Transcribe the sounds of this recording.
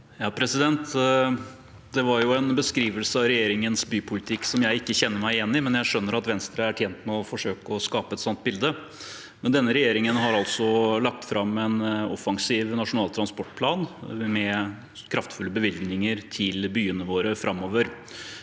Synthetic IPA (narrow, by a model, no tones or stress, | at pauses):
jɑːpʰɾɛsɪd̪ɛnt̪ | d̪̥ɛʋɑɾjʊɛnbəskɾiːʋəlsəɑʋɾɛjeːɾɪŋənsbyːpʰʊlɪt̪ʰɪkːsɔmjæɪɪkːəçɛnːəɾmæɪɪjɛnːɪmɛnjæɪʂœnːəɾɑt̪ʋɛnst̪ɾəæʈʰjɛːnt̪mɛɔfɔʂøːkəɔskɑːpəɛt̪sɔnt̪̚bɪld̪ə | mɛnd̪ɛnːəɾɛjeːɾɪŋənɦɑɾɑlt̪sɔlɑk̚t̪fɾɑmɛnɔfɑŋsiːʋnɑʂʊnɑːlt̪ʰɾɑnspɔʈːpʰlɑːnmɛ | kʰɾɑft̪fʉlːəbəʋɪlɡnɪŋəɾt̪ʰɪlbyːənəʋoːɾəfɾʔɑmːoːʋəɾ